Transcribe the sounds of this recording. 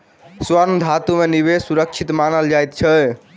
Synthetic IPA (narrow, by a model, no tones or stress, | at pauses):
swəɾmd̪ʱat̪umeniβesuɾək̚t͡ʃʰit̪manəld͡ʒajt̪t͡ʃʰə